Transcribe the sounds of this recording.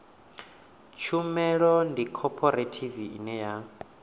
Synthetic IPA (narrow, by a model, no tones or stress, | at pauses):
t͡ʃʰumɛɺɔndikʰɔpʰɔɾetʰiviḭnɛja